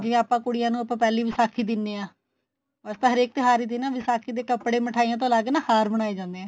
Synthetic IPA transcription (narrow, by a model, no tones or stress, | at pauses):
d͡ʒɪ̃aːpãːkʊɽɪjãːnũːəpãːpɛːliːʋɪsaːkʰiːd̪ɪnːeːãː | əst̪ãːɦəɾeːk̚t̪eɦaːɾiːd̪ɪnaːʋɪsaːkʰiːd̪eːkəpɽeːməʈʰaːijãːt̪̬õːlaːɡnãːhaːɾbəɽ̃aːeːd͡ʒãːnd̪eɛ̃ː